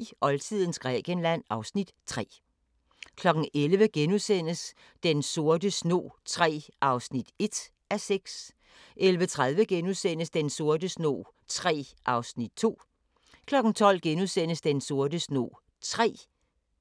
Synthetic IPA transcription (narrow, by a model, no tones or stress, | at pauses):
ʔɒ̽lt͡sʰið̰ˠn̩sɡ̥ʁɛ̰ːɡ̥ənlæn̰ɑ̈ʊsnid̥t͡sʰʁɛ̰ː | kʰlɒ̽ɡ̥n̩ʔelʋəɡ̥enusen̰əs | d̥enso̝ɐd̥əsno̝̰ːt͡sʰʁɛ̰ːʔɑ̈ʊsnid̥e̝d̥ | æseɡ̥s | ʔelʋət͡sʰʁað̞ˠʋəɡ̥enusen̰əsd̥enso̝ɐdəsno̝̰ː | t͡sʰʁɛ̰ːʔɑ̈ʊsnid̥̚t͡sʰo̝̰ː | kʰlɒ̽ɡ̥n̩t͡sʰɒ̽l̰ɡ̥enusen̰əsd̥enso̝ɐdəsno̝̰ː | t͡sʰʁɛ̰ː